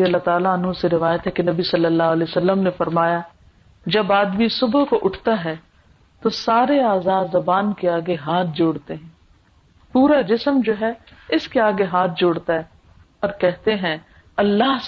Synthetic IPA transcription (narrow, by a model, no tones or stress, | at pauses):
iɐlːat̪aːlaɐnũseɾɪʋaːjət̪ɦɛkenɐbisɐlːəlːaːɦʊəleːsɐlːəmnefɐɾmaːja | d͡ʒɐbaːd̪misʊbkoʔʊʈʰt̪aɦɛː | t̪osaːɾeaːzaːd̪zɐbaːnkeaːɡeɦaːt̪̚ʰd͡ʒoːɽt̪eɦɛ̃ː | puːɾad͡ʒɪsəmd͡ʒoːɦɛɪskeaːɡeɦaːt̪̚ʰd͡ʒoːɽt̪aɦɛː | ɔːɾkɛɦt̪eɦɛ̃ | ɐlːaːɦ